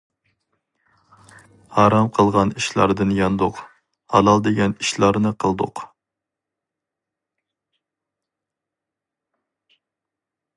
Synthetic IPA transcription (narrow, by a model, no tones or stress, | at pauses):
hɑɾɑmqʰəlˠʁɑniʃlˠɑ̰ɾd̪ɨnjɑnd̪ʊq | hɑlˠɑlˠd̪eɡʲɛniʃlˠɑɾnɨqʰəlˠd̪ʊq